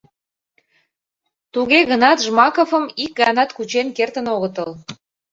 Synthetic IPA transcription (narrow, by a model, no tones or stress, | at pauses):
t̪uɣeɣənɑt̪ʒmɑkofə̆mik̚ɡɑnɑt̪kut͡ɕenkert̪ənoɣət̪əl